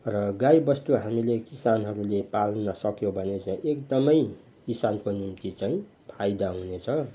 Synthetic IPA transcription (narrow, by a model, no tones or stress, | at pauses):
rʌɡajbʌst̪uɦamilekisanɦʌɾulepalnʌsʌkjobʱʌnet͡saĩʔekd̪ʌmʌj | kisankonimt̪it͡saĩ | pʰajd̪aɦunet͡sʰʌ